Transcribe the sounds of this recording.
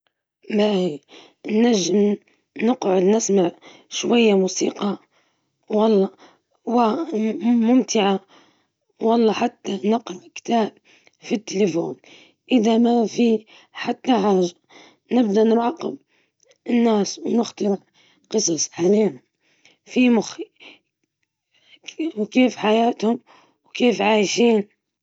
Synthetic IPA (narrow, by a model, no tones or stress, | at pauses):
baʔi | nːæʒːəm | nəqʕʊd̪nɪsmaʕ | ʃwajːamusḭːqɑ | wɑlˤːɑ | wa | mʊmt̪ɪʕa | wɑlˤːɑħat̪ːanəqɾˤɑkt̪aːb̚ | fit̪ːelefoːn | ʔɪðamafi | ħat̪ːaħaːʒːa | nɪb̚d̪aʔnɪɾʕɑqɪb̚ | ɪnːaːswnɪxt̪ɨɾ | qɨsˤɑsˤʕaleːna | fimʊx | wkeːfħajaːt̪hʊm | wkeːfʕaːjʃiːn